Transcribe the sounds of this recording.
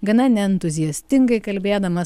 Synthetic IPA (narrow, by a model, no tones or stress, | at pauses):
ɡɐnɐnʲɛɛnt̪ʊzʲɪjɛsʲt̪ʲɪŋɡɐɪkɐlʲbʲeːd̪ɐmɐ